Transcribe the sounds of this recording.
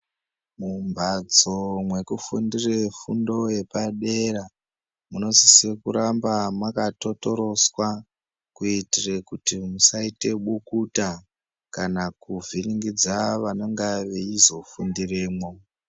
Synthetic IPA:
mumbʱad͡zomwe̞kufundirefṵndo̞je̞paɗe̞ɾa | muno̞zisekuɾambamakato̞to̞ɾo̞swa | kuitirekutimusaite̞ɓukuta | kanakuvʱiniŋɡid͡zaʋanoŋɡaʋeizo̞fundireːmwo̞

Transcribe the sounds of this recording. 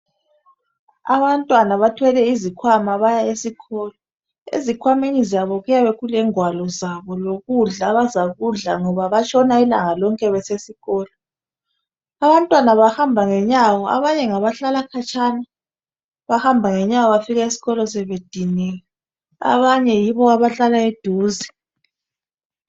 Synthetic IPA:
a̰βantʼwanaβatʰwɛlɛizikʰwamaβajaesiɣʰɔlɔ | ḛzikʰwameɲizaβɔɣujaβeɣulɛŋwalɔzaβɔloɣuɮaβazaɣuɮaŋɔβaβat͡ʃʼʰɔnailaŋalɔŋkʼɛβɛsesiɣɔːlɔ | aβantʼwanaβahambʱaŋɛɲawɔa̰βaɲɛŋaβaɬalakʰat͡ʃʰʼana | βahambʱaŋɛɲawɔβafiɣaesi̥ɣɔlɔsɛβed̥ʱinɛɛ | a̰βaɲɛjiβɔaβaɬalaed̥ʱuːzi

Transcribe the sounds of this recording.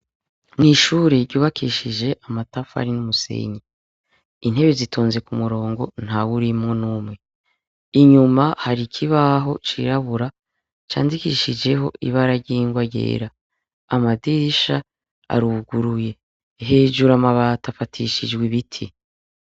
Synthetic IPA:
niʃuːɾeɾɟuːβakʰiʃid͡ʒe̞ʔamatafa̰ɾinumusḛɲi | in̥he̞βezitʰoːnze̞kumuɾo̞ːŋɡo̞n̥hawuɾimŋo̞nuːmŋe̞ | iɲumahaɾikʰiβaɦo̞t͡ʃḭɾaβuɾa | t͡ʃa̰ːndikiʃid͡ʒe̞ɦo̞̰ʔḭβaɾaɾɟiŋɡwaɟḛːɾaː | madiʃa | a̰ɾuɡuɾuje̞ | ɦe̞ːʒuɾamaβaːtafatʰiʃid͡ʒɡwiβitʰḭ

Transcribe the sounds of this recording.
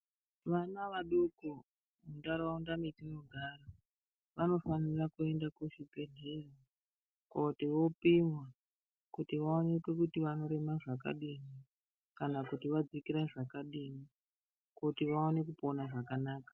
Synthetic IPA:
ʋanaʋaɗuku | mundaɾaaundamitinoɡʱaːra | ʋano̞fanirakue̞ndakuʃipe̞dʱera | kautiʋo̞pimwa | kutiʋaonekwe̞kutiʋano̞ɾe̞maʐaka̰ɗini | kanakutiʋad͡zikiɾaʐakaɗini | kutiʋaone̞kupo̞naʐakanaːkḁ

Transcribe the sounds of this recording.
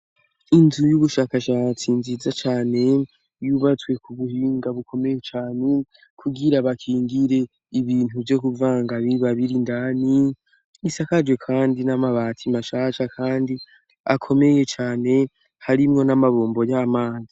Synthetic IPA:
inzujuβuʃaːkaʃaːt͡sinzizat͡ʃaːne̞ | juβat͡swe̞kʰuβuhiːŋɡaβukʰo̞me̞je̞t͡ʃaːne̞ | kʰuɡiɾaβakʰiːŋɡiɾe̞ | iβiːn̥huvjo̞kuvaːŋɡaβiβaβiɾindani | isakad͡ʒwe̞kʰaːndinamaβaːtʰimaʃaːʃakʰaːndi | akʰo̞me̞je̞t͡ʃaːne̞ | haɾimŋo̞namaβoːmbo̞jamaːzi

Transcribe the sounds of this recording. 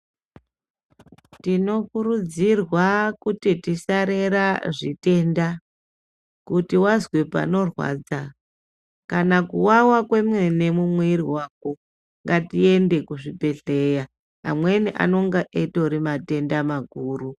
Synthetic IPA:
tino̞kuɾud͡zirwakutitisaɾe̞ɾaʐite̞nda | kutiwazwepa̰no̞rwa̰ːd͡za | kanakuwawakwe̞mwe̞ne̞mumweɾiwaːk̚o | ŋɡatie̞nde̞kuʐipe̞ɬeja | a̰mwe̞niʔa̰no̞ŋɡaʔeto̞ɾimate̞ndamaɡʱuːru

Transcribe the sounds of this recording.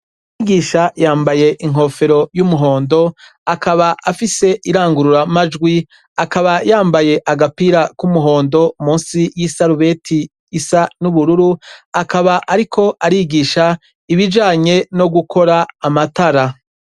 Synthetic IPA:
iɡiːʃajaːmbaje̞ʔiŋ̥ɦo̞ːfe̞ɾo̞jumuɦo̞ːndo̞ | akaβaʔafise̞ʔiɾaːŋɡuɾuɾamad͡ʒɡwi | akaβajaːmbaje̞ʔaɡapiːɾakumuɦo̞ːndo̞mũːnsijisaɾuβetʰiː | sanuβuɾuɾuakaβaʔaɾikʰo̞ʔaɾiɡiːʃa | iβid͡ʒaːɲe̞no̞ɡukʰo̞ɾaːmataɾa

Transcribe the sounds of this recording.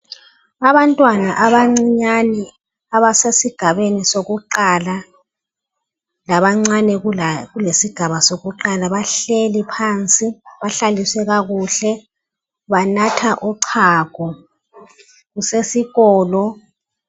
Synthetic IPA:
aβantʼwanaʔaβaŋ͡ǀiɲani | aβasesiɡ̥ʱaβenisoɣuǃaːla | laβaŋ͡ǀanɛɣulesiɡ̥ʱaβasoɣuǃalaβaɬelipʰant͡sʼiβaɬaliswɛɣaɣuːɬɛ | βanatʰaʔuǀʰaːɡ̥ʱɔ | ɣusesiɣɔːlɔ

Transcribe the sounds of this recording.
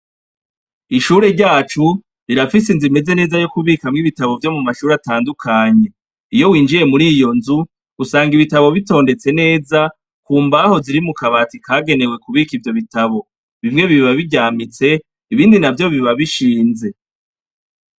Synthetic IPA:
iʃuːɾe̞ɾɟaːt͡ʃu | ɾiɾafis̬inzime̞ze̞ne̞ːzajokuβiːkamŋiβitaβo̞vjo̞mumaʃuːɾataːndukʰaɲe̞ | ijo̞wiːnd͡ʒiɾe̞muɾiːjo̞nzu | usaːŋɡiβitaβo̞βito̞ːnde̞t͡se̞ne̞ːza | kuːmbaho̞ziɾimukaβaːtikʰaːɡe̞ne̞we̞kuβikivjo̞βitaβo̞ | βimŋe̞βiβaβiɟaːmit͡se̞ | iβiːndinavjo̞βiβaβiʃiːnze̞

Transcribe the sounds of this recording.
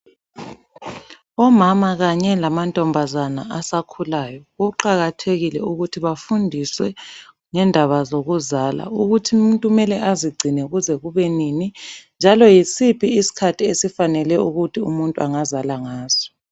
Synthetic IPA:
ɔmamaɣaɲɛlamantʼɔmbʱazanaʔasakʰulajɔɣuǃaɣatʰeɣilɛ̰uɣutʰiβafundʱiswɛ | ŋɛndʱaβazoɣuzala̰uɣutʰim̩ntʼumɛlɛʔaziɡ͡ǀʱinɛuɣuzɛɣuβɛninind͡ʒʱalɔjisipʰiːsi̥kʰatʰiesifanɛlɛuɣutʰiṵmuntʼuaŋazalaŋaːz̥ɔ̥

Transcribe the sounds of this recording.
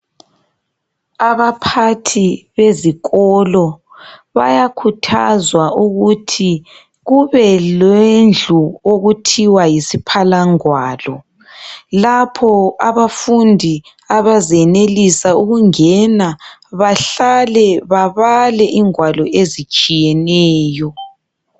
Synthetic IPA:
aβapʰatʰiβeziɣɔlɔ | βa̰jakʰutʰa̰zwaʔuɣutʰi | ɣuβɛlwend͡ɮʱuoɣutʰiwajisipʰalaŋwaːlɔ | lapʰɔaβafundʱi | aβazɛnelisauɣuŋɛnaβaɬalɛβaβalɛʔiŋwalɔʔezit͡ʃʼijɛnɛːjɔ

